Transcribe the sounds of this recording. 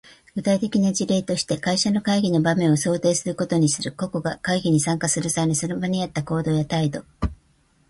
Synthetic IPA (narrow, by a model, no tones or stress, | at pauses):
ɡ̥ɯ̟t̪ait̪e̞kʲinad͡ʑiɾe̞ːt̪o̞ɕi̥t̪e̞kaiɕano̞kaiɡʲino̞bamẽ̞ɰ̃o̞so̞ːt̪e̞ːsɨɾɯ̟ko̞t̪o̞ɲ̟isɨɾɯ̟ko̞ko̞ɡakaiɡʲiɲ̟isãŋkasɨɾɯ̟sanisɨɾɯbaɲ̟iat̪ːako̞ːd̪o̞ːjat̪aid̪o̞